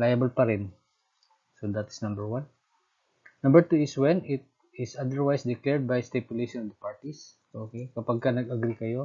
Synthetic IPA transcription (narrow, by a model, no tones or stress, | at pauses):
lajɐbɐlpɐɾɪn | sod̪at̪ɪ̥snɐmbɛɹwan | nːɐ̃mbəɹt̪uɪswɛnɪt̪̚ | ɪsad̪ɛɹwajsd̪ɪklɛɹd̪̚bajst̪ɛpjʊlejʃɔnɔvd̪ɐpaɹt̪is | ʔokejkɐpaɡ̚kɐnɐɡɐɡɾikɐjo̞